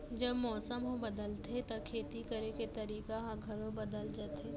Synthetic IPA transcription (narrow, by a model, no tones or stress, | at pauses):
d͡ʒɐbmɔːsəmɦobɐd̪əlt̪ʰet̪akʰeːt̪ikəɾeket̪ɐɾiːkaɦãɡʱɐɽõbɐd̪əld͡ʒaːt̪ʰeː